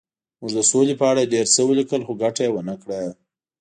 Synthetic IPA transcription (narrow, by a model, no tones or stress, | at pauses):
muʐd̪əsolepəaɽaɖeɾt͡səwəlikəlxoɡaʈajewənəkɽa